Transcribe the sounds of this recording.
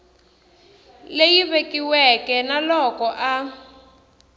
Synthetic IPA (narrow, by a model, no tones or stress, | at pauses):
lejiβekiwɛkɛnalɔkɔʔa